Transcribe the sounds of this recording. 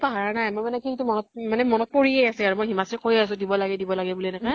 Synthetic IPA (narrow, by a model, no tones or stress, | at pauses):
paɦaɹanajmojmanɛkʰiitumɔnɔt̚manɛmɔnɔt̚poɹiejasɛaɹumojɦimasɹɛkʰojas̬ʊ̃dibɔlaɡɛdibɔlaɡɛbuliɛnɛka